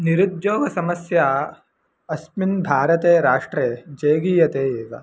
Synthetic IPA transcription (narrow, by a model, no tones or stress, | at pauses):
niɾud̪d͡ʒoːɡɐsɐmɐsja | ɐsminbʱaːɾɐt̪eːɾaːʂʈɾeːd͡ʒeːɡiːjɐt̪eːeːɡɐ̰